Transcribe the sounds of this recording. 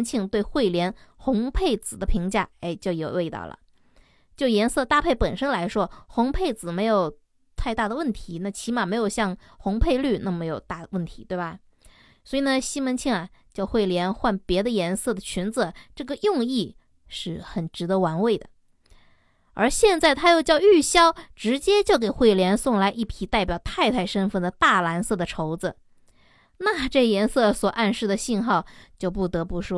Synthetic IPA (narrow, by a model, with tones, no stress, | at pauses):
nt͡ɕʰi˥˧ŋt̪we˥˧ɪxwe˥˩ɪljɛ˧˥nxʊ˧˥ŋpʰe˥˩ɪt͡sɹ̩˨˩d̪ə˦pʰi˧˥ŋt͡ɕja̰˥˩e˥˩ɪt͡ɕjo˥˩ʊjo˨˩ʊwe˥˧ɪt̪ɑ̰˥˩ʊlə̰˩ | t͡ɕjo˥˩ʊjɛ˧˥nsɤ˥˧t̪a˥˧pʰe˥˩ɪpə˨˩nʂə˥nla˧˥ɪʂwɔ˥xʊ˧˥ŋpʰe˥˩ɪt͡sɹ̩˨˩me˧˥ɪjo˨˩ʊ | t̪ʰa˥˧ɪt̪a˥˩d̪ə˩wə˥˩nt̪ʰi˧˥na˥˩t͡ɕʰi˧˥ma˨˩me˧˥ɪjo˨˩ʊɕjɑ˥˩ŋ | xʊ˧˥ŋpʰe˥˧ɪly˥˧na˥˩me˧˥ɪjo˨˩ʊt̪a˥˩d̪ə˩wə˥˩nt̪ʰi˧˥t̪we˥˩ɪbɐ˨˩ | swɔ˧˥i˨˩nə˧ɕi˥mə˧˥nt͡ɕʰi˥˩ŋɐ˩ | t͡ɕjɑ˥˧ʊxwe˥˩ɪljɛ˧˥nxwa˥˩npjɛ˧˥d̪ə˧jɛ˧˥nsɤ˥˩d̪ə˩t͡ɕʰy˧˥nt͡s̩˧˩˦ʈ͡ʂɤ˥˩ɡə˩jʊ˥˧ŋi˥˧ | ʂɻ̩˥˩xə˨˩nʈ͡ʂɻ̩˧˥t̪ɤ˧˥wa˧˥nwe˥˩ɪd̪ə̰˩ | ə̰˞˧˥ɕjɛ˥˧nt͡sa˥˩ɪt̪ʰa˥jo˥˧ʊt͡ɕjɑ˥˧ʊy˥˩ɕjɑ˥ʊʈ͡ʂɻ̩˧˥t͡ɕjɛ˥t͡ɕjo˥˩ʊk̬e˨˩ɪxwe˥˩ɪljɛ˧˥nsʊ˥˩ŋla˧˥ɪʔi˥˩pʰi˧˥t̪a˥˩ɪpjɑ˨˩ʊt̪ʰa˥˧ɪt̪ʰa˥˩ɪʂə˥nfə˥˩nd̪ə˩t̪a˥˩la˧˥nsɤ˥˩d̪ə˩ʈ͡ʂʰo˧˥ʊd͡zɹ̩˧ | na˥˧ʈ͡ʂɤ˥˩ɡə˩jɛ˧˥nsɤ˥˩swɔ˨˩ʔa˥˧nʂɻ̩˥˩d̪ə˩ɕi˥˧nxɑ˥˩ʊt͡ɕjo˥˧ʊpu˥˩t̪ɤ˧˥pu˧˥˩ʂwɔ˥